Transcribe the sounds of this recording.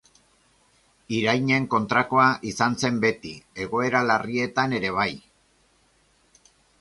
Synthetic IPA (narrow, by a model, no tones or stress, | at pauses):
iɾajɲe̞ŋko̞nt̪ɾako̞aʔisanse̞mbe̞t̪ie̞ɣo̞e̞ɾalarie̞t̪ane̞ɾe̞β̞aj